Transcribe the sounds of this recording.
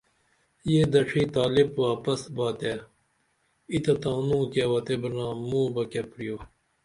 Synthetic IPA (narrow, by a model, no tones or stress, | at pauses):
jeːd̪ɐʂʰiːt̪aːlɪbʋaːpɐsbaːt̪eː | it̪ɐt̪ãːnũːkeːʋɐt̪ebɐnãːmũːbɐkepɾijoː